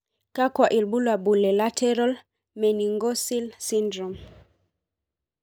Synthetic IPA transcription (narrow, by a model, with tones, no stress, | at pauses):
ka˦kwa˨ʔi˨lɓu˦lwa˨ɓu˨lɛ˨la˦tʰɛ˦ɾɔ˦l | mɛ˨ni˨ŋɡɔ˦si˦lsi˦ndɾɔ˨m